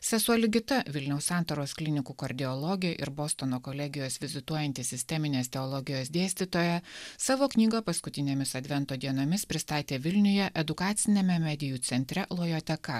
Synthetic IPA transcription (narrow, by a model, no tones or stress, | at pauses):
sʲɛsuɐlʲɪɡʲɪt̪ɐʋʲɪlʲnʲɛʊsɑˑnt̪oːɾoːsklʲɪnʲɪkuːkɐɾʲd̪ʲɪɔlˠɔɡʲɪjɛʔɪ̰ɾboːst̪onoːkolʲɛɡʲɪjoːsʋʲɪzʲɪt̪uɔjɛnʲt̪ʲiːsʲɪsʲt̪ʲɛmʲɪnʲeːst̪ʲɛɔlˠɔɡʲɪjoːsd̪ʲeɛːsʲt̪ʲit̪oːjɛsɑːʋoːknʲiːɡɐpɐskʊt̪ʲɪnʲeːmʲɪsɐd̪ʲʋʲɛnt̪oːd̪ʲiɛnoːmʲɪspʲɾʲɪst̪ɑːt̪ʲeːʋʲɪlʲnʲʊjɛʔɛd̪ʊkɑːt̪sʲɪnʲɛmʲɛmʲæd̪ʲɪjuːt̪sʲɛnʲt̪ʲɾʲɛlˠoːjoːt̪ʲɛkɐ